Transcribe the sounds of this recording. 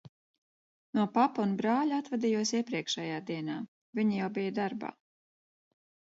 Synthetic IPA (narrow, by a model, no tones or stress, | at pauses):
nuɔpapaunbɾaːʎuat̪vɛd̪ijuɔsiɛpɾiɛkʃɛjaːd̪iɛnaː | viɲijawbijad̪aɾba̰ː